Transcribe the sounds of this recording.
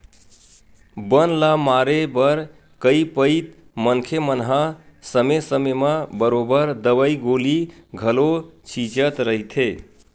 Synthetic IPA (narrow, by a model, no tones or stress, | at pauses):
bənlamaɾebəɾ | kəipəjt̪ | mənkʰemənɦasəmesəmemabəɾobəɾd̪əbəjɡoliɡʱəlot͡ʃʰit͡ʃət̪ɾəɦit̪ʰe